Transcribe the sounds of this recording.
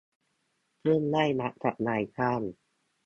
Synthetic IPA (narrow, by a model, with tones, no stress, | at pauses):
pʰɯ˥˩ə˨nla˥˩jna˦˥ʔ̚t̪ʰa˨˩t̚naː˧jkʰaː˥˩m